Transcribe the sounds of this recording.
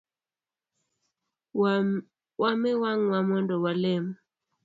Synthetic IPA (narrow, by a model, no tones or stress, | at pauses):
wamɛwaŋwamɔndɔwalem